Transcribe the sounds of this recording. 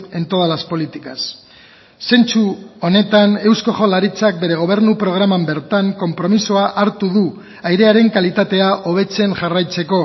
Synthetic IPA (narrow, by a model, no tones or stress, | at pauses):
e̞nt̪o̞ð̞alaspo̞lit̪ikasː | e̞nt͡suo̞ne̞t̪ane̞wsko̞ʝo̞laɾit͡sak̚be̞ɾe̞ɣ̞o̞β̞e̞ɾnupɾo̞ɣ̞ɾamambe̞ɾt̪aŋko̞mpɾo̞misoaʔaɾt̪uðu | ajɾe̞aɾe̞ŋkalit̪at̪e̞aʔo̞β̞e̞t͡se̞nʝarajt͡se̞ko̞